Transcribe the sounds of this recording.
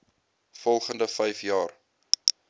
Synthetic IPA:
fɔlˠχəndəfɛjfjɑːr

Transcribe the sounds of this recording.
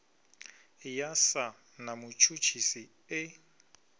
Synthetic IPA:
jasa | namʊt͡ʃʰut͡ʃʰisi | ɪ

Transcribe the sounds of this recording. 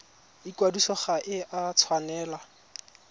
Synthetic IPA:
ikwadusɔχaʔɪʔat͡sʰwanɛːla

